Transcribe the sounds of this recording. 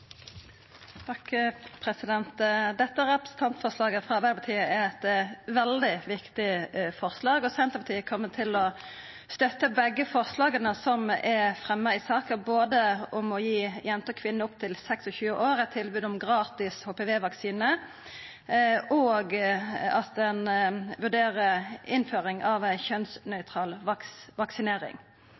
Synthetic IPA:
t̪ʰɑkpʰɾɛsɪd̪ɛnt̪d̪ɛt̪ːəʁɛpɾəsn̩t̪ʰɑnt̪fɔʁslɑːɡəfʁɑʋæpɑt̪ʰiːəɛʁɛt̪ʋɛld̪ɪʋɪkt̪ɪfɔʁslɑːɡɔsɛnt̪əʁpʰɑt̪iːəkʰɔmːət̪ʰɪlɔ | st̪œt̪ːəbɛɡːəfɔʁslɑːɡənəsɔmɛfʁɛmːəɪsɑːkəboːd̪əɔmɔjiːjɛnt̪əkʰʋɪnːəʊp̚t̪ʰɪlsɛksɔçʉːəʔoːɾɛt̪ʰɪlbʉːd̪ɔmɡʁɑːt̪ɪshoːpɛʋeːʋɑksiːnə | ʔɔːɡɑt̪ɛnʋʉʁɖ̪eːʁəɪnføːʁɪŋɑʋæɪçœnsnœʏt̪ʰʁɑːlʋɑkʋɑksɪneːɾɪ̰ŋ

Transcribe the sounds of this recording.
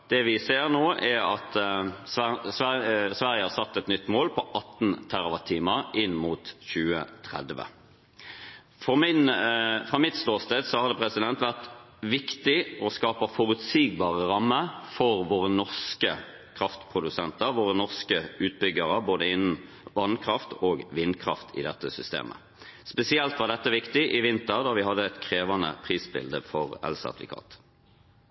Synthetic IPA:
d̪̥ɛʋɪseːʁnoːʔɛʁɑ̰t̪sæsʋæsʋæʁjəhɑʁsɑt̪ːɛt̪nʏt̪ːmoːlpʰɔʔɑt̪ːnt̪ʰæʁʋɑt̪ʰiːməʁɪnːmuːt̪çʉːə̰t̪ʰʁɛ̰d̪ʋə̰ | fɔmɪnfʁɑmɪt̪sloːst̪ed̪sɔhɑɾd̪ɛpʰʁɛsɪd̪ɛnt̪ʋæʁt̪ | ʋɪkt̪ɪɔskɑːpəfɔɾʉt̪siːɡbɑːʁəʁɑmːəfɔʁʋoːʁənɔʁskə | kʰʁɑft̪pʰʁʊd̪ʉsɛnt̪əɾʋoːʁənɔʁskəʉːt̪̚bʏɡəʁəboːd̪əɪnn̩ | ʋɑnkʰʁɑft̪ʰoːɡʋɪnkʰʁɑ̰ft̪ʰɪ̰d̪ɛt̪ːəsʏst̪ḛːmʔə̰ | spɛsɪɛlt̪ʋɑʁd̪ɛt̪ːəʋɪkt̪ɪʔɪʋɪnt̪əʁd̪ɑːʋɪɦɑd̪ːəɛt̪kʰɾeːʋɑnə̰pʰʁiːsbɪ̰ld̪əfɔʁɛ̰lsɑ̰d̪ʋɪ̰kʰɑ̰ːt̪

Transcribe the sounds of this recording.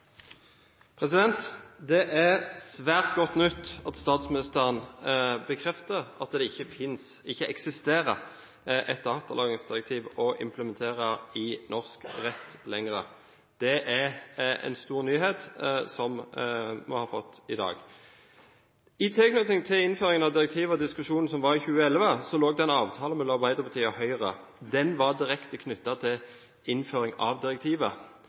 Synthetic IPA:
pʰʁɛsɪd̪ɛnt̪d̪ɛʔæʁsʋæːʁt̪ɡɔt̪ːnʉt̪ːɑt̪st̪ɑːt̪smɪnɪst̪əʁənbəkʰʁɛft̪əʁɑt̪d̪ɛɪçəfɪns | ɪçːəʔɛksɪst̪eːʁə | ʔɛt̪̚d̪ɑːt̪ɑlɑːɡɪŋsd̪ɪʁɛk̚t̪ʰiːʋɔʔɪ̰mpʰləmɛnt̪ʰeːʁəɪnɔʁskʁɛt̪ːlɛŋʁə | d̪̥ɛʔæʁɛ̰nst̪uːʁnyːɦeːt̪sɔm | mɔ̰hɑːfɔt̪ːɪd̪ɑ̰ːɡ | ɪt̪ʰɪlknʉt̪ɪŋt̪ʰɪlɪnføːʁɪŋənɑʋd̪ɪʁɛk̚t̪ʰiːʋəɔd̪ɪskʉʂuːnn̩sɔmʋɑʁɪçʉːəɛlʋəsɔloːɡd̪ɛɛnɑːʋt̪ʰɑːləmɛlmɑʁbæɪd̪əʁpʰɑt̪ʰiːəhœʏʁə | d̪ɛnʋɑʁd̪ɪʁɛkt̪əkʰnʏt̪ːɑt̪ʰɪl | ɪnføːɾɪŋɑ̰ʋd̪ɪʁɛk̚t̪ʰiːʋə

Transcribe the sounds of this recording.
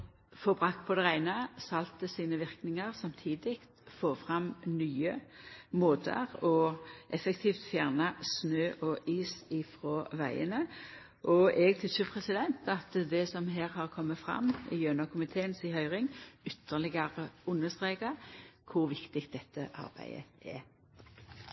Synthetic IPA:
fɔʁbʁɑk̚t̪pʰɔd̪ɛʁæɪnəsɑlt̪əsiːnəʋɪʁknɪŋəʁsɑmt̪ʰiːd̪ɪkt̪foːfʁɑmnyːəmoːt̪ə̰ʁɔʔɛfɛkt̪ʰiːft̪fjæʁnɑsnøːʔɔʔiːsɪfʁɔʋæɪə̰nə | ʔɔɛɡ̚t̪ʰʏsəpʰʁɛsɪd̪ɛnt̪ɑt̪d̪ɛsɔmɦeːʁhɑʁkʰɔmːəfʁɑ̰mːɪ̰jønɑkʰʊmɪt̪ʰeːənsɪhœʏʁɪŋʏt̪ʰːəʁlɪɡɑʁəʊnːəst̪ʁeːkɑkʰʊʁʋɪkt̪ɪk̚d̪ɛt̪ʰːə̰ʔɑ̰ʁbæ̰ɪə̰ʔɛ̰

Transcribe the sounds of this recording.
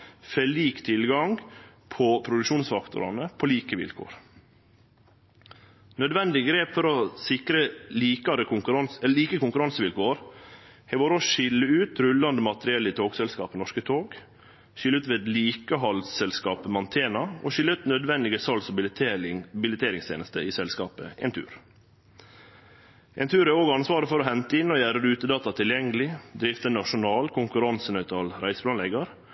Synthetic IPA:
feliːkt̪ʰɪlɡɑŋ | pʰɔpʰɾʊd̪ʉkʃuːnsfɑkt̪ʊ̰ɾɑ̰nəpʰoliːkəʋɪ̰lkʰo̰ːɾ | nœd̪ʋɛnd̪ɪɡɾeːpfɔɾɔsɪkɾəliːkɑɾəkʊŋkɾɑnɛliːkəkʊŋkʉɾɑnsəʋɪlkʰoːəɾhɛɪʋoːɾɔʃɪlːəʉːt̪ɾʉlːɑnd̪əmɑt̪əɾɪɛlːɪt̪ʰoːɡsɛlskɑ̰ːpənɔʂkət̪ʰoːɡ | ʃʏlːʉːt̪ʋeːd̪liːkəɦɑlsɛlskɑːpəmɑnt̪ʰeːnɑo̰ʃʏlːəʉːt̪nœd̪ʋɛnd̪ɪɡəsɑlsɑ | bɪlət̪ʰeːɾɪŋst̪ʰḛːnəst̪ə̰ɪːsɛlskɑ̰ːpə̰ḛːnt̪ʰʉ̰ːɾ | ʔḛːnt̪ʰʉːɾæoːɡɑnsʋɑːɾəfɔɾɔːɦɛnt̪əɪnːɔjæːɾəɾʉːt̪əd̪ɑːt̪ɑt̪ʰɪljɛŋəlɪd̪ɾɪft̪ənɑʂʊnɑːlkʰʊŋkʉɾɑnsənœʏt̪ʰɑlɾæɪsəpʰlɑnɛɡəɾ

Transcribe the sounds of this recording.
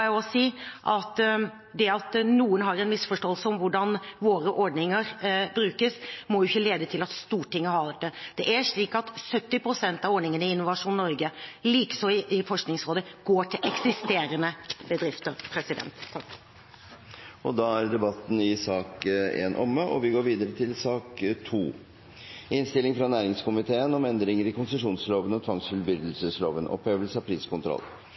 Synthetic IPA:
ɔsiːʔɑt̪ | d̪ɛɑt̪nuːənɦɑɾɛnmɪsfɔʂʈoːəlsəɔmʋʊɖɑnʋoːɾəʔɔɖɳɪŋəɾbɾʉːkəsmɔjʊɪçːəleːd̪ət̪ʰɪlɑt̪st̪uːʈʰːɪŋːəhɑɾd̪ɛt̪ːəd̪̥ɛʔæɾʂɭiːkɑt̪sœt̪ːɪpʰɾʊsɛnt̪ɑʋɔɖɳnɪŋənəɪɪnːʊʋɑʂuːnnːɔɾɡəliːkə̥sɔɪfɔʂknɪŋsɾoːd̪əɡ̥oːʈʰɪlʔɛksɪst̪eːɾənəbəd̪ɾɪft̪əɾpʰɾɛsɪd̪ɛ̰nt̪ʰː | ɔd̪ɑːæɾd̪ɛbɑt̪ːn̩ɪsɑːkḛːnʔɔmːəʔɔ̰ʋɪɡoːɾʋiːd̪əɾət̪ʰɪlsɑːkt̪ʰuː | ɪnst̪ɪlɪŋfɾɑnæːɾɪŋskʊmɪt̪ʰeːənɔmɛnd̪ɾɪŋəɾɪkʊnsəʂuːnsloːʋənɔt̪ʰʋɑŋsfʉlbʏɾd̪əl̩səslo̰ːʋənʔɔ̰peːʋəlsəɑpʰɾiːskʊnt̪ʰɾɔ̰lː

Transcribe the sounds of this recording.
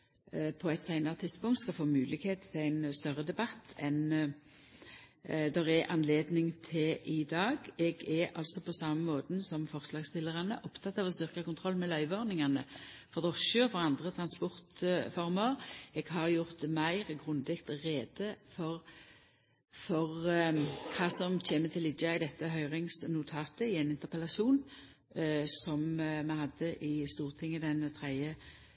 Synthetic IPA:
pʰɔɛt̪sæɪnɑʁt̪ʰːɪd̪spʊŋkt̪skɑfoːmʉːlɪɡheːt̪t̪ʰɪlæɪnst̪œʁəd̪ɛbɑt̪ːɛn | d̪ɛʁɛʔɑnleːd̪nɪŋt̪ʰɪlʔɪd̪ɑːɡɛɡɛʁɑ̰lsɔpʰɔsɑmːəmoːt̪n̩sɔmfɔʁslɑːɡst̪ɪlːəʁɑnəʔʊpt̪ʰɑt̪ːɑːʋɔst̪ʏʁkəkʊnt̪ʰʁɔlːmɛlœʏʋɔʁnɪŋɑnəfɔʁd̪ɔʃøːfɔʁɑnd̪ʁət̪ʰʁɑnspɔʁt̪fɔʁməɾɛːɡ̥ɦɑʁjʊʁt̪mæɪʁɡʁʉnd̪ɪkt̪ʁeːd̪əfɔʁ | fɔʁ | kʰɑːsɔmtʰeːmət̪ʰɪlɪd̪ɑɪd̪ɛt̪ːəɦœʏʁɪŋsnʊt̪ʰɑːt̪əɪɛnɪnt̪əʁpəlɑʃuːn | sɔmmɛhɑd̪ːəʔɪst̪uːʁt̪ʰɪŋːəd̪ɛnt̪ʰʁɛɪə

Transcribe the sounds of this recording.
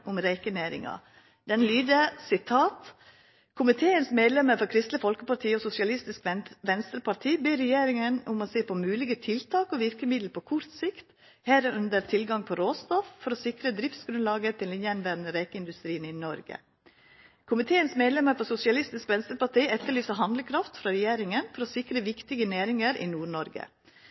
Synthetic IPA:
ʔʊmɾeɪkəneːɾɪ̰ŋɑ̰ | d̪ɛnlyːd̪əsɪt̪ʰɑːt̪ | kʰʊmɪt̪ʰeːənsmeːd̪lɛməɾfɔɾkʰɾɪst̪ləfɔlkəpɑɾʈʰiːɔsʊsɪɑlɪst̪ɪskʋɛnst̪ɾəpɑt̪ʰiːbeːɾɛjeːɾɪŋənʊmɔseːpʰɔmʉːlɪɡət̪ʰɪlt̪ʰɑːkɔʋɪɾkəmɪd̪lpʰɔkʰʊɾt̪sɪkt̪ | hæɾəʔʉnd̪əɾt̪ʰɪlɡɑŋpʰɔɾoːst̪ɔffɔɾɔsɪkɾəd̪ɾɪft̪sɡɾʉnlɑːɡət̪ʰɪlɪnjɛnʋæɾnəɾeːkəɪnd̪ʉst̪ɾiːnɪnɔɾɡə̰ | kʰʊmɪt̪ʰeːənsmeːd̪lɛməɾfɔɾsʊsɪɑlɪst̪ɪskʋɛnst̪ɾəpɑʈ̪iːʔɛt̪ːəɭyːsəɦɑnd̪lkʰɾɑft̪fɾɑɾɛjeːɾɪŋənfɔɾɔsɪkɾəʋɪkt̪ɪɡəneːɾɪŋəɾʔɪ̰nuːɳɔɾɡə̰

